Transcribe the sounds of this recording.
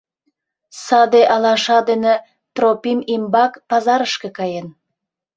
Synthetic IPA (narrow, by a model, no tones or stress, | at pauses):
sɑd̪eʔɑlɑʃɑd̪ene | t̪ropimimbɑkpɑzɑɾəʃkekɑjen